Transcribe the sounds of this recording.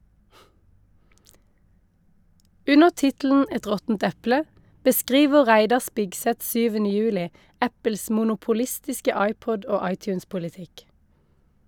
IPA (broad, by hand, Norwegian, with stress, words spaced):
ˈʉnəʁ ˈtɪtl̩n̩ ˈɛt ˈʁɔtn̩t ˈɛplə bəˈskʁiːʋə ˈʁæɪdɑ ˈspɪɡsɛt ˈsyːʋən ˈjʉːlɪ ˈæpəls muːnʊpʊˈlɪstɪskə ˈɑɪˌpɔd ˈoː ˈɑɪˌtjʉːnspʊlɪˌtɪk